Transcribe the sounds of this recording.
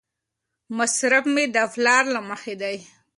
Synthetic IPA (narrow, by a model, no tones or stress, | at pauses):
masɾabmed̪əflɑɾlaməxed̪aj